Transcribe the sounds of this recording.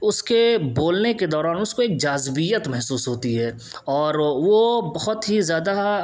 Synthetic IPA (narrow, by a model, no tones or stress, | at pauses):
ʊskeboːlneked̪ɔːɾaːnʊskoeːk̚d͡ʒaːzbijət̪mɛɦsuːsɦoːt̪iɦɛː | ɔːɾʋobɐɦʊt̪ɦizjaːd̪a